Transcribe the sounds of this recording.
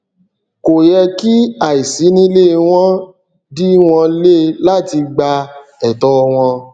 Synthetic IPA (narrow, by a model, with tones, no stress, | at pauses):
ko˨jɛ˧ki˦a˨i˨si˨˦nĩ˧˦le˦˨˧w̃ɔ̃˦ | di˦w̃ɔ̃˧le˦la˦ti˧ɡ͡ba˧ | ɛ˨tɔ˧˦˧w̃ɔ̃˧